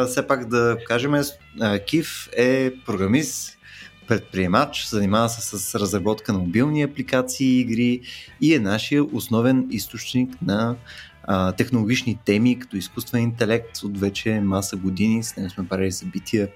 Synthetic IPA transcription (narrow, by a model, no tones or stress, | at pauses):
sɛpakd̪ɐkaʒɛmɛ | əkʲifɛpɾoɡɾɐmist̪ | pɾɛt̪̚pɾiɛmat͡ʃzɐnimavəsɛsəsɾəzɾɐbɔt̪kənɐmobilˠniɐplikat̪siːɡɾiiɛnaʃijəʔʊsnɔvɛnist̪ot͡ʃniknɐ | t̪ɛxnʊlˠoɡʲit͡ʃnit̪ɛmikɐ̥t̪ɔiskust̪vɛint̪ɛlɛk̚t̪ot̪vɛt͡ʃɛmasəɡʊd̪inisnɛɡ̪ʊsmɛpɾailisɐbit̪ʰiə